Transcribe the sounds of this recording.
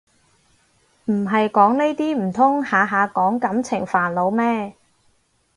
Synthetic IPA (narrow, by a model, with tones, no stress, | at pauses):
m̩˨˩ɦɐ˨jkɔː˨˥ŋne˥jt̪iː˥m̩˨˩t̪ʰʊ˥ŋhaː˨˧ɦaː˨˧kɔː˨˥ŋkɐ˨˥mt͡sʰɪ˨˩ŋfaː˨˩nlo˨˧wmɛː˥